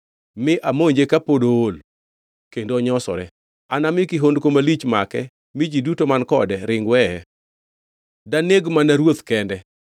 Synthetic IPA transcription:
mɪʔamoɲd͡ʒekapodool | kendoɲɔsɔ̰ɾɛ | anamɪkɪɦondkomalit͡ʃmakɛ | mid͡ʒidutomankɔ̰dɛɾɪŋɡwɛɛ | daneɡmanaɾwot̪kɛndɛ

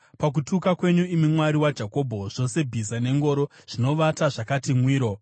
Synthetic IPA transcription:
pak̬utukakwe̞ɲuimimwaɾiwad͡ʒako̞ːbʱo̞ʐ̥o̞se̞bʱizane̞ŋɡo̞ːɾo̞ʐ̥ino̞ʋataʐakatimwiːɾo̞

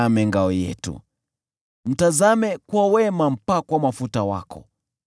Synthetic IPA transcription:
amɛŋɡaɔjɛ̰tṵ | m̩tazamɛkwawɛmam̩pakwamafutawa̰kɔ̰

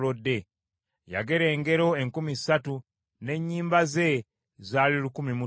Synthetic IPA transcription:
odːe̞ | ja̰ɡe̞ɾe̞ːŋɡe̞ɾo̞eŋkumisatu | ne̞ɲːiːmbaze̞ | zaːlilukumimu

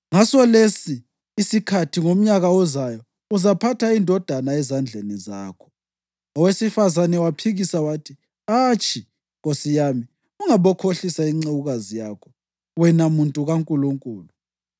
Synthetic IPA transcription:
ŋasɔlesiː | sikʰatʰiŋom̩ɲaɣaɔzajɔ | uzapʰatʰaindʱɔd̥ʱanaɛzand͡ɮʱeniza̰ːkʰɔ̥ | ɔwesifazanɛwapʰiɣisawatʰi | aːt͡ʃʼi | ɣosijami | uŋaβɔkʰoɬisaiŋ͡ǀewuɣazijakʰɔ | wɛnamuntʼuɣaŋkʼuluŋkʼuːlu

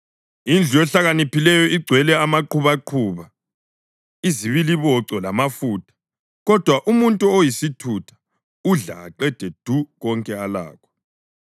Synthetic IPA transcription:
ind͡ɮʱujɛɬaɣanipilɛjɔiɡ͡ǀʱwɛlɛamaǃuβaǃʰuːβa | iziβiliβɔǀɔlamafuːtʰʼḁ | ɣɔd̥ʱwaʔumuntʼuojisitʰutʰḁ | uɮa̰ːǃɛd̥ʱed̥ʱuɣɔŋkʼɛala̰ːkʰɔ̥

